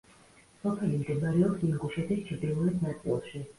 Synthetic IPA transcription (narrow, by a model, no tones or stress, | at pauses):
sɔpʰɛlimd̪ʼɛbaɾɛɔpsiŋɡuʃɛt̪ʰist͡ʃʰɾd̪iulɛt̪ʰnat̪sʼḭlˠʃi